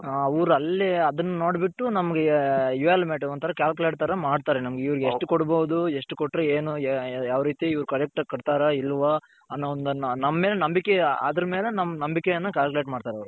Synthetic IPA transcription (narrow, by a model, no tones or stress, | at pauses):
ɐʋɐɾuɐlːeɐd̪ɐnːɐno̞ːɽbiʈːunɐmɐɡejuʋaːlmeːʈɐʋɐnt̪ɐɾɐkʲaːlkuleʈ̚t̪ɐɾɐmaːɖt̪aːɾenɐmɐɡeiʋɐɾiɡeʂʈukoɽboːd̪ueʂʈukoʈːɾeeːnujaːʋɾiːt̪iiʋɐɾukɐɾek̚ʈɐkɐɽt̪aːɾɐilːʋaː | ɐnːoɔnd̪ɐnnɐmːɐmeːlenɐmbikːea̰ːd̪ɐɾɐmeːlenɐmːɐnɐmbikejɐnːɐkaːlkuleːʈmaːɖt̪aːɾɐʋɐɾu